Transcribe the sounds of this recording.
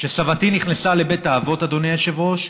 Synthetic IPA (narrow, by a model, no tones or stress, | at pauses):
ʃesavatiniχnesale̞be̞taːvo̞tad̪o̞nejaʃevo̞ʃ